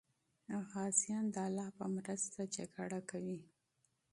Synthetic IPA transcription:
ɣɑsijɑnd̪əalːɑpəmɾəst̪at͡ʃakaɽakawi

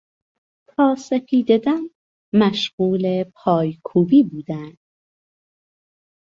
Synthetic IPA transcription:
t̪ʰɒːsefiːd̪ed̪æn | mæʃɢuːlepʰɒːjkʰuːbiːbuːd̪ænd̪̥

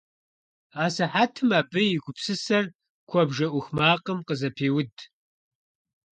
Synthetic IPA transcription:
aːsɐħaːtʰɨmaːpʼɨjɪɡʷʊpsɨsɐr | kʷʰɔbʒɐʔʷʊxmaːqəmqəzɐpʰeːwʊd

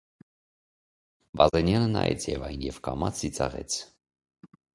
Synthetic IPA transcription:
bɑzɛnjɑnənɑ̰jɛ̰t͡sʰjɛvɑjnjɛvkɑmɑt͡sʰːit͡sɑʁɛ̰t͡sʰ

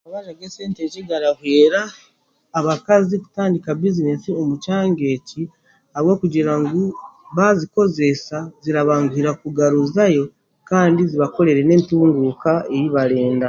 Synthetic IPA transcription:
aβaʒaɡeseːnteciɡaɾaβweːɾaː | βakaziku̥taːndikabizine̞sio̞mucaːŋɡe̞ci | haβwo̞ːkuɟiɾaŋɡuβaziko̞ze̞saziɾaβaːŋɡuiɾakuɡaɾuzajo̞ | kaːndiziβako̞ɾe̞ɾe̞ne̞ːntuːŋɡukaejiβaɾe̞ːnda

